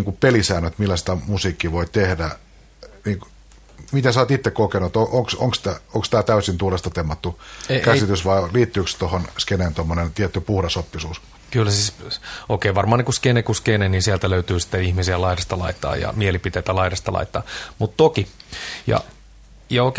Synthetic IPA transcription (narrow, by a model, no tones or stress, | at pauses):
iŋkupelisæːnøt̪milːæsi̥t̪æmusiːkːiʋoit̪ehdæ | niːŋk | mit̪æsɑːt̪it̪ːekkokenut̪oʔoŋksoŋkst̪æoŋkst̪æːt̪æysint̪uolest̪ɑt̪emːɑt̪ːukæssit̪ysʋɑiliːt̪ːyːkst̪ohonskeneːnt̪omːonent̪iɛt̪ːypuhɾɑsopːisuːs | kylːæsiːsoikeːʋɑrmɑːnekuskenekuskeneninsiælt̪æløyt̪yːsi̥t̪ːeihmisiælɑiɾɑst̪ɑlɑ̰it̪ːɑ̰ːjɑ̰mielipit̪eit̪ælɑiɾɑst̪ɑlɑ̰it̪ːɑ̰ːmut̪t̪okijɑ̰ | jɑok